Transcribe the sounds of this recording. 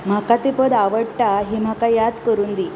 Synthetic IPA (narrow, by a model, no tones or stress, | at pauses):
m̤akat̪ipəd̪aʋəɽʈaɦim̤akajad̪kəɾuːnd̪iː